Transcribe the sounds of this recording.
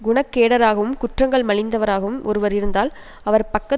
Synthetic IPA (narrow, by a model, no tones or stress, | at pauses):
ɡʊɳɐkːeːɽɐɾaːɣɐʋɯmkʊʈrɐŋɡɐɭmɐɭɪnd̪ɐʋɐɾaːɣɐʋɯmʔɔ̰ɾɯʋɐɾɪɾɯnd̪aːl | ɐʋɐɾpɐkːɐ